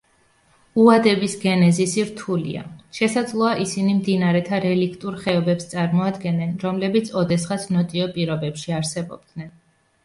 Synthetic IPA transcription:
uad̪ɛbisɡɛnɛzisiɾt̪ʰulḭa̰ʃɛsad̪zlˠɔaʔisinimd̪inaɾɛt̪ʰaɾɛlikʰt̪ʼuɾχɛɔbɛpst̪sʼaɾmɔad̪ɡɛnːɛnɾɔmlɛbit̪sʰɔd̪ɛsχasʰnɔt̪ʼiɔpʼiɾɔbɛpʃiaɾsɛbɔ̰b̚d̪nɛn

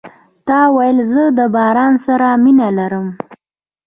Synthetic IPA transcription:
t̪ɑwajəlzəd̪əbɑɾɑnsaɾaminalaɾəm

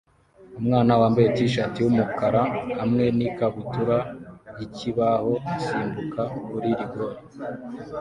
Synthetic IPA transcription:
umŋaːnawaːmbetiʃatiwumukaɾahamŋe̞nikaβutuɾajiciβaho̞asiːmbukakuɾiɾiɡoɾe

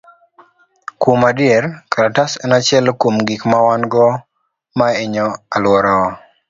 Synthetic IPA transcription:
komadɪɛɾkaɾatasɛnat͡ʃɪɛlkomɡikmawanɡɔ | maeɲɔalwɔɾɔː

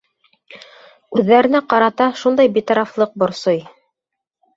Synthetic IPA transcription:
ʉðːæɾɘ̆næqɑɾɑt̪ɑʃund̪ɑjbit̪ɑɾɑflˠɤq̚bŏɾsoj

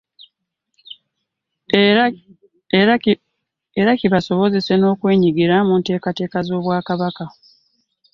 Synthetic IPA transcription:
e | eɾaciβaso̞βo̞ze̞se̞no̞ːkwe̞ːɲiɡiɾamunte̞ːkate̞ːkazo̞ːβwaːkaβaka

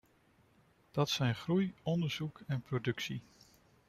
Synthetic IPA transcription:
d̥ɑtsɛjnχrujɔndəɹz̥ukɛnprodɵksi

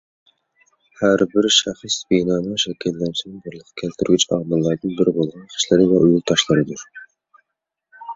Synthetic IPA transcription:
hæɾbɪɾʃæχsbenɑːnɨŋʃɛkʲʰɛlːɛnt͡ʃɪnɪŋbɨɾlˠəqʰɨ̥kʲʰɛlt̪ʰyɾɡʲyt͡ʃɑ̰mɨlˠːɑɾd̪ɨnbɪɾɪbolˠʁɑnqʰə̥ʃlˠɪɾɪvɛʔujulˠt̪ʰɑʃlˠɨɾɨd̪uɾ

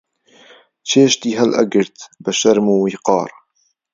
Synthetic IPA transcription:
t͡ʃʰeːʃt̪iːɦɛlʔɐ̰ɡɨɾt̪bəʃɐɾmuːwiːqɑ̰ːɾ

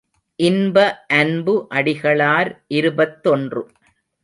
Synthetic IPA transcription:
ʔɪnbɐʔɐnbɯʔɐɽɪɣɐɭaːɾʔɪɾɯbɐt̪ːɔndrɯ

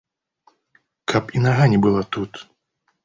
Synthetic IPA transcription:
kʰapinaɣanʲɛbɨlˠat̪ut̪

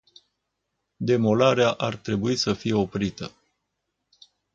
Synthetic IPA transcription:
d̪e̞mo̞laɾeaʔart̪ɾe̞buisəfije̞o̞pɾit̪ə

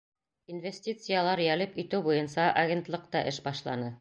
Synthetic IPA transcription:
invʲesʲtʲit̪sɨjalˠɑɾjælɘpit̪ɘwbujɤnsɑʔɐɡʲent̪lˠɤq̚t̪ɑʔɘʃbɑʃlˠɑnɤ

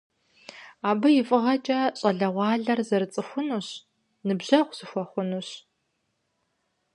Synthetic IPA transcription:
aːbɨjɪfʼɨʁɐt͡ʃʼɐɕʼɐɮɐʁʷɑːɮɐrzɐrɨt͡sʼɨxʷʊnuːɕ | nɨbʑɐqʷz̥ɨxʷɔχʷʊnuɕ

